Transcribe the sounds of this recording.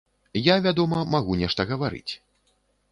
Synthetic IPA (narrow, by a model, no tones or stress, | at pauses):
javʲad̪ɔmɐmaɣunʲɛʂt̪ɐɣɐvaɾɨ̰t͡sʲ